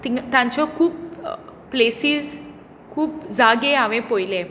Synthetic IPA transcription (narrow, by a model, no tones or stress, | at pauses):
t̪it̪ãɲt͡ɕɔkʰuːpː | lesiːz | kʰuːpd͡zaɡeaʋẽpojle